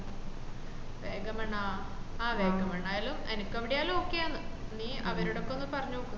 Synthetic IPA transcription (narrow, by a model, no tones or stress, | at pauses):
ʋeːɡɐmɐɳːa | aːʋe̞ːɡɐmɐɳːɐjaːlumenikʲːɐʋiɽijaːlumokːejanːɨ | niːɐʋɐɾuɽo̞kːeonːɨpɐrɐɲːuokːun